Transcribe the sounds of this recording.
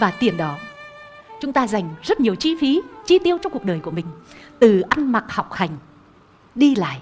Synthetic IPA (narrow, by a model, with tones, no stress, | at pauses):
vaː˨˩t̪i˨˩ənɗɔ˨˦ | t͡ɕʊ˨˦ŋ͡mt̪aː˧za˨˩jŋ̟zə˦˥t̚ɲi˨˩əwt͡ɕi˧fi˨˦t͡ɕi˧t̪i˧əwt͡ɕɔ˧wŋ͡mku˨˩ək̚ɗəː˨˩jku˧˩əmï˨˩ŋ̟t̪ɨ˨˩ʔa˧nma˨˩k̚hɔ˨˩wk͡p̚xa˨˩jŋ̟ | ɗi˧la̰ː˧˨jʔ